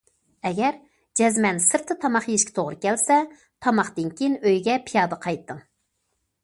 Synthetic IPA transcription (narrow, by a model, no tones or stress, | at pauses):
ɛɡʲɛɾ | d͡ʒɛzmɛnsɨɾt̪ʰːɨt̪ʰɑmɑχjeʃkʲi̥t̪ʰoʁɾɨkʲɛlsɛ | t̪ʰɑmɑχt̪ɨnkʲinøjɡʲɛpʰijɑːd̪əqʰɑjt̪ːɨŋ